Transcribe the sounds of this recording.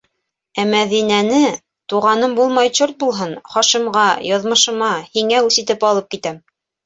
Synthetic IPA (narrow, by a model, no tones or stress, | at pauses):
æmæðinænɘ | t̪uʁɑnɤmbulˠmɑjt͡ɕoɾt̪̚bulˠɦɤnχɑʃimʁɑjɑðmɤ̆ʃɤ̆mɑhiŋæʉsit̪ɘpɑlˠɤp̚kit̪æm